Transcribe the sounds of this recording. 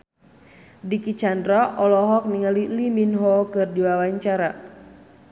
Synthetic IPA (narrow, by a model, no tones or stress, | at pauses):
dikit͡ʃandɾaʔɔlɔɦɔk̚niŋaliliminɦɔkɨrdiwawaɲt͡ʃaɾa